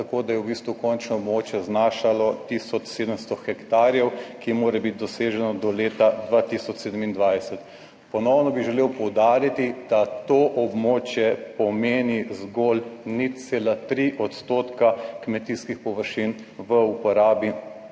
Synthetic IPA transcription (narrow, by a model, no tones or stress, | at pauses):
t̪akoːd̪ajɛwbiːst̪ʋukɔnt͡ʃnɔɔbmoːt͡ʃjɛznaːʃalɔt̪isɔt͡ʃseːd̪əmst̪ɔxɛkt̪aːɾjɛwkimoːɾɛbit̪̚d̪ɔseːʒɛnɔd̪ɔleːt̪ad̪ʋat̪isɔt͡ʃseːd̪əmind̪ʋajsɛt̪ | pɔnɔwnɔbiʒɛleːwpɔwd̪aːɾit̪id̪̥at̪oʔɔbmoːt͡ʃjɛpɔmeːnizɡoːlnit̪t̪seːlat̪ɾiʔɔt̪st̪oːt̪kakmɛt̪iːskixpɔʋəɾʃin | ʋəupɔɾaːbi